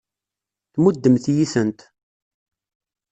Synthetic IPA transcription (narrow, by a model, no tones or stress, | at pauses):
θmud̪ːəmθjisənt̪